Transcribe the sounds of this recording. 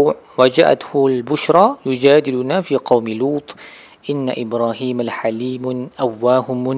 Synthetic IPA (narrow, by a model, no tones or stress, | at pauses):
wad͡ʒa̰ʔa̰t̪hʊalbʊʃɾˤɑjʊd͡ʒaːd̪ɪlʊnafiːqɑwmɪluːt̪ˤ | ʔɪnːa̰ʔɪbɾˤɑːhiːmalħaliːmʔawːaːhʊmʊ